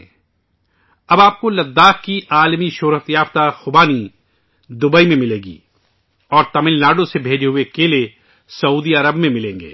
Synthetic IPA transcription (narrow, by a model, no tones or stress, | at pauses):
ɐbaːp̚kolɐd̪ːaːkkiʔaːlmiʃoːɾət̪jaːft̪axʊbaːni | d̪ʊbəimẽmɪleːɡḭː | ɔːɾt̪ɐmɪlnaːɖõsebʱeːd͡ʒeɦʊekele | sɐuːd̪iɐɾəbmẽmɪlẽːŋɡḛː